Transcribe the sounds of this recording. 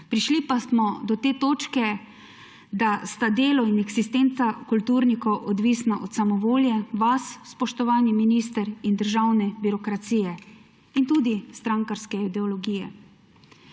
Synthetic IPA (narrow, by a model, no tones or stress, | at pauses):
pɾiʃlipasmɔd̪ɔt̪eːt̪oːt͡ʃkɛ | d̪ast̪ad̪eːlɔinɛɡsist̪ensakult̪uːɾnikɔwʔɔd̪ʋisnaʔɔt̪samɔʋoːljɛʋaswspɔʃt̪ɔʋaːniminist̪əɾind̪əɾʒawnɛbiɾɔkɾat̪siːjɛ | int̪uːd̪ist̪ɾaŋkaɾskɛid̪ɛɔlɔɡiːjɛ̰